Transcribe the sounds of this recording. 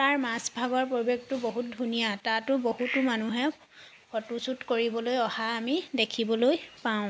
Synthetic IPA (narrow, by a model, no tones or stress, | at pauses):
taɹmasbʱaɡɔɹpɹobjoɡtʊboɦut̚dʱunijatatʊboɦutʊmanuɦɛ | pʰɔtusutkoɹibɔlojɔhaːmidekʰibɔlojpaʊ̃